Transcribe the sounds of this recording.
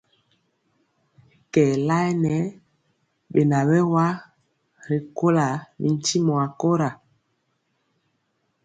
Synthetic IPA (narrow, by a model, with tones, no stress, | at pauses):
kɛ˨la˦ɛ˦nɛ˨˦ | ɓe˨na˨wɛ˦wa˦ | ɾe˨ko˦la˨mḭ˨n˦ti˦mɔ˨a˨ko˦ɾa˨